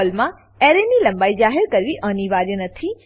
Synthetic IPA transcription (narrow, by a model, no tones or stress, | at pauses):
lmã | eɾenilə̃mbaid͡ʒaɦeɾkəɾʋiʔəniʋaɾjənət̪ʰi